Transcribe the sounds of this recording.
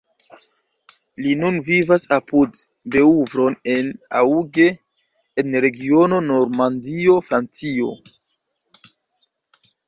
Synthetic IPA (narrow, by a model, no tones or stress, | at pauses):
linunvivasapud | be̞uvɾo̞ne̞na̰uɡe̞ː | nɾe̞ɡio̞no̞no̞ɾmandio̞fɾant͡sio̞̰